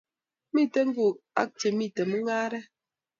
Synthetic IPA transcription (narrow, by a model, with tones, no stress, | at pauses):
mi˦˨te˦ŋ̩˦ɡu˨a̰˦k̚te˨mi˦˨te˨mə˦ŋaː˦ɾɛ˦